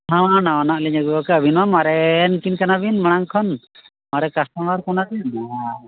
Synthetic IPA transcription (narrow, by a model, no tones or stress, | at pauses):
ɦãanawanaʔliɲaɡuɔkaəbʱinamaɾɛnkinkanabinməɽ̃aŋkʰɔn | maɾɛkast̪aŋaɾkɔnabina